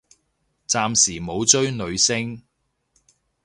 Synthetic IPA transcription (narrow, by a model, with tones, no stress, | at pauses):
t͡saː˧msiː˨˩mo˨˧wt͡ʃɵ˥ɥnɵ˨˧ɥsɪ˥ŋ